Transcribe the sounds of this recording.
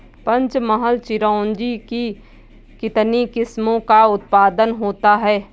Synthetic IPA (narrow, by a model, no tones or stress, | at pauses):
pɐ̃ɲt͡ʃməɦəlt͡ʃɪɾɔ̃ːnd͡ʒiki | kɪt̪nikɪsmõkaʊt̪̚paːd̪ənɦoːt̪aɦɛː